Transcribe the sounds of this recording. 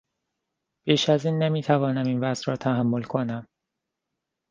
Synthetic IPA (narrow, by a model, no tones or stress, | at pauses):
b̥iːʃæziːnːemiːt̪ʰævɒːnæmiːnvæzɾɒːt̪ʰæɦæmːolkʰonæm